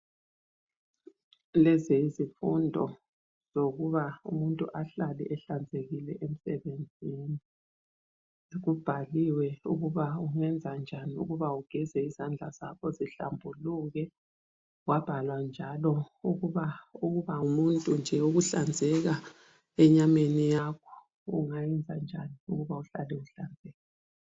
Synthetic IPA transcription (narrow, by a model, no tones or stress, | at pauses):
lɛzeizifundʱɔ | z̥oɣuβaṵmuntʼṵʔaɬalḭʔɛɬand͡zʱeɣilɛʔem̩sɛβend͡zʱiːni | ɣub̥ʱaliwɛuɣuβauŋɛnd͡zʱand͡ʒʱaniṵɣuβauɡ̥ʱɛzɛizand͡ɮʱaz̥akʰɔziɬambʱuluɣɛ | wab̥ʱalwand͡ʒʱalɔuɣuβauɣuβaumuntʼund͡ʒʱɛuɣuɬand͡zʱɛɣa | ɛɲamenijakʰɔ̥ | ṵŋajɛnd͡zʱa̰nd͡ʒʱaniuɣuβauɬalɛuɬand͡zʱɛːɣa